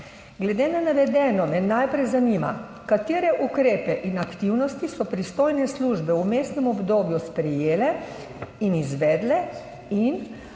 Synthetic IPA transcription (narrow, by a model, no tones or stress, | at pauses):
ɡlɛd̪enanaʋɛd̪ɛːnɔmɛnajpɾɛjzanima̰ | kat̪eːɾɛʔukɾeːpɛʔinakt̪iwnɔst̪isɔpɾist̪oːjnɛsluʒbɛwmest̪nɛmɔbd̪oːbjuspɾɛjeːlɛ | inizʋɛːd̪lɛ | in